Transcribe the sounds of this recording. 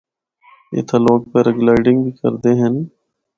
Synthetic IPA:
ɪ̰t̪ʰaloːk̚pəɾəɡlaːɪɖɪŋɡbiːkə̰ɾd̪eːɦən

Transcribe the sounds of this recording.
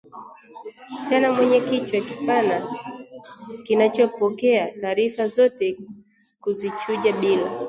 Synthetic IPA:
tɛnamwɛɲɛkit͡ʃwaki̥pana | kinat͡ʃɔpɔkɛataːɾifazɔtɛ | kuzit͡ʃuʄaɓila

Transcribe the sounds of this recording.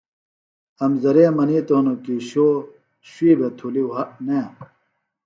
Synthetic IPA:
ɐmzɐɾeːmɐnit̪oːnokiɕoː | ɕwiːbet̪ʰuliwɦɐʔne

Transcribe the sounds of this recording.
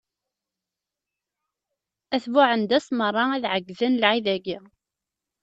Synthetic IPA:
æθvʊʕənd̪æsmərˤːɑæðʕəɡːðənlʕiðæɡi

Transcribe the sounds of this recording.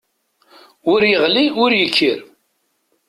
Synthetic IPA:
ʊɾjəʁliʊɾjəkʰːəɾ

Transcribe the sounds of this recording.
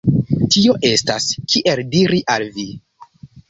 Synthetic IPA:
tio̞ʔe̞staskʰiʔe̞ldiɾiʔalvi

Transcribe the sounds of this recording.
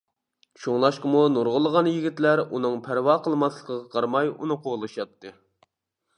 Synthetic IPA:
t͡ʃʰoŋlˠɑʃqəmunuɾʁʊlˠəʁɑnjiɡʲit̪læɾunɨŋpʰæɾwɑqʰəlˠmɑslˠəqʰəʁɑqʰɑɾmɑjṵnɨqʰoʁlˠɨʃjɑp̚t̪ʰːɨ

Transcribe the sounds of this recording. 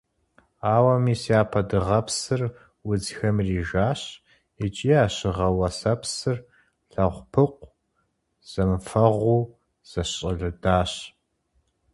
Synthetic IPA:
aːwɐmiːsiaːpʰɐdɨʁɐpʰsɨr | wʊd͡zxɐmriːʒaːɕ | it͡ʃʼiːaːɕɪʁɐwɐsɐpsɨr | ɬɐʁʷpʰɨqʷ | z̥ɐmfɐʁʷuː | z̥ɐɕʼɪɮɨdaːɕ

